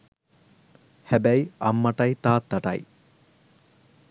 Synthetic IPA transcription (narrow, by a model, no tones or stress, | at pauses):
hæbæiɐmːɐʈɐit̪aːt̪ːɐʈɐ̰ḭ